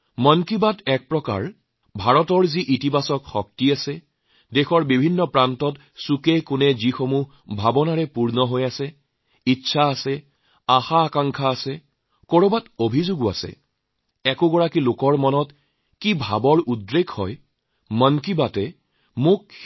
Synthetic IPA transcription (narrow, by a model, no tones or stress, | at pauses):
mɔnkibatɛk̚pɹɔka̰ɹ | bʱaɹɔtɔɹziʔitipasɔkxɔk̚tiasɛ | dexɔɹbibʱinːɔpɹantɔt | sukɛkʊnɛzixomu | bʱabɔnaɹɛpuɹnɔɦojasɛ | itːsʰaːsɛ | axaːkaŋkʰaːsɛ | koɹobatobʱizʊɡʊa̰sɛ̰ | ɛkʊɡɔɹakilokɔɹmɔnɔt | kibʱa̰bɔɹudɹekʰhɔ̰j | mɔnkibatɛ | mʊk̚